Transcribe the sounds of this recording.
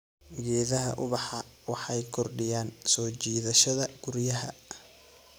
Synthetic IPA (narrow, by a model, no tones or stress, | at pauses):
ʊjɛːðɐɦɐ̰ʔʊβɑħɑwɑħɑjkʰɔrɖɪjaːnsɔːt͡ʃiːðɐʃɐðɐɡ̥ʊɾjɐɦɐ̰